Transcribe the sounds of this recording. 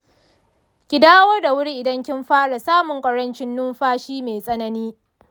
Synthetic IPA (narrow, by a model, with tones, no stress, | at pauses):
kʲɪ˨daː˦wɐ˦rda˨wʊ˦ɽi˦ʔɪ˨dɐ˦ŋkʲɪ˦mɸaː˦ɽa˨saː˦mʊ˨ŋkʷʼɐ˨ɽɐ˦nt͡ʃɪ˦nːʊ˦mɸaː˦ʃiː˦meː˨sʼɐ˦nɐ˦niː˦